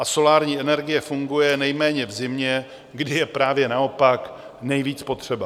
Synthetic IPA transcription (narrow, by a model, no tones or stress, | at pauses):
ʔaso̞laːɾɲiːʔɛnɛɾɡɪjɛfuŋɡujɛnɛjmɛːɲɛvzɪmɲɛ | ɡdɪjɛpɾaːvjɛnao̞pak | nɛjviːt͡spo̞t̪r̝̥ɛba